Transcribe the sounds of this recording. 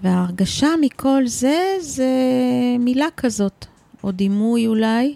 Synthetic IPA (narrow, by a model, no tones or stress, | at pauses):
veaːʁɡaʃamikʰo̞lze̞zemilakazo̞t̪ | od̪imujulaj